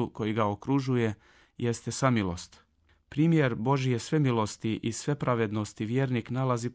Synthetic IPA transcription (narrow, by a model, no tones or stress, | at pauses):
uko̞jiɡaokɾuʒuje̞ | jest̪e̞samilˠo̞̰st̪ | pɾiːmjeɾbo̞ʒije̞sʋe̞milo̞st̪iʔisʋe̞pɾaʋe̞d̪nost̪iʋjeɾniknalazi